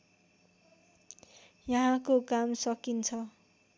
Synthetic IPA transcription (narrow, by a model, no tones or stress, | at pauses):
jʌɦãkokamsʌkint͡sʰʌ